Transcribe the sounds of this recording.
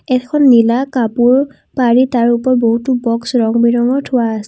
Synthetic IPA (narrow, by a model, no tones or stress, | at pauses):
ɛkʰɔnːilakapuɹ | paɹitaɹupɔɹboɦutʊbɔksɹɔŋbiɹɔŋɔtʰʊwaːsɛ